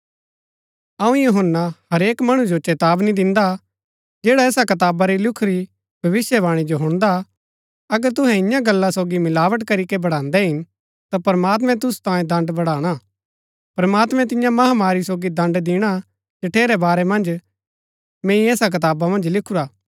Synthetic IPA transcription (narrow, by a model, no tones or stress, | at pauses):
ɐũjuɦənːahɐɾeːkmɐɽ̃ũd͡ʒot͡ʃɛːt̪aːbnĩd̪ɪ̃nd̪a | d͡ʒeːɽaɛːsakɐt̪̬aːbaɾilʊkʰɾi | bʱɐʋɪsjəbaːɽ̃id͡ʒoɦʊ̃ɽ̃d̪a | ɐɡəɾt̪ʊɦɛ̃ɪ̃jãɡɐlːasoːɡimɪlaːʋəʈ̬kɐɾikebɐɽ̤ãːnd̪ɛɦɪn | t̪apɐɾmaːt̪mɛ̃t̪̬ʊst̪ãːjẽd̪ɐ̃ɳɖbɐɽaːɽ̃a | pɾɐmaːt̪mɛ̃t̪̬ɪ̃jãmɐɦamaːɾisoːɡid̪ɐ̃ɳɖd̪ɪɽ̃a | d͡ʒɐʈʰeːɾɛbaːɾɛmɐ̃nd͡ʒ | mẽːĩɛːsak̬ɐt̪aːbamɐ̃nd͡ʒlɪkʰuɾaː